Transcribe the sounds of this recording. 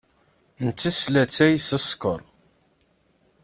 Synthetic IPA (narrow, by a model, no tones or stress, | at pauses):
nət͡sːislæt͡sːæjsæskəɾˤ